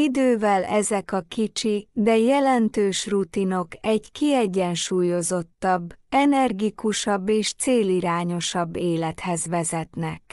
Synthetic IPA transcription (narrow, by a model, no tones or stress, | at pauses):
id̪øːvɛlɛzɛkɒkit͡ʃid̪ɛjɛlɛnt̪øːʃrut̪ino̞kɛɟkiɛɟːɛnʃuːjo̞zo̞t̪ːɒbːɛnɛrɡikuʃɒbːeːʃt̪seːliɾaːɲo̞ʃɒbːeːlɛt̪hɛzʋɛzɛt̪nɛk